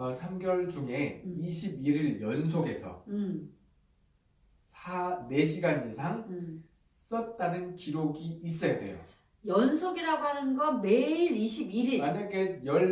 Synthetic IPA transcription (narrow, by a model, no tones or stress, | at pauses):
ʌsʰamɡjʌɭd͡ʑuŋe̞iɕʰibiɾiɭjʌnsʰoɡe̞sʰʌ̰ | sʰane̞ɕ̬ʰiɡanisʰaŋ | s͈ʌt̚t͈anɯnkiɾoɡiːs͈ʌjadwe̞̰jo̰ | jʌnsʰoɡiɾaɡoɦanɯnɡʌnme̞iɾiɕʰibiɾianaɡejʌɭ